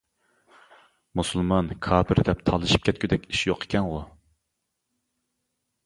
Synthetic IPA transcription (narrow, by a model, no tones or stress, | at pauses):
musɨlˠmɑnkʰɑːbɨɾd̪ɛp̚t̪ʰɑlˠɨʃi̥p̚kʲʰɛt̪̚kʲʰyd̪ɛkʲi̥ʃjoqʰe̥kʲʰɛnʁʊ